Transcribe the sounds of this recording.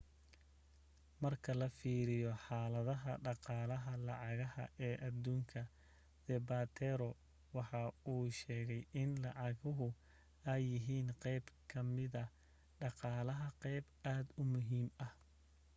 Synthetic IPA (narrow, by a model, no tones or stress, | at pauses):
mɐrkʰɐlɐfiːɾɪjɔħɑːlɐðɐɦɐɖɑqɑːlɐɦɐlɑʕɑɣɐhɐ̰ʔɛːʔɐd̪uːŋkʰɐ | d̪ɛbat̪ʰɛɾɔ | wɑħɑuːʃɛːɣɛjɪnlɑʕɑɣʊɦʊ | ɐjːɪɦiːnqɛjbkʰɐmɪðɐ | ɖɑqɑːlɐɦɐqɛjb | aːd̪ʊmʊɦiːmɐh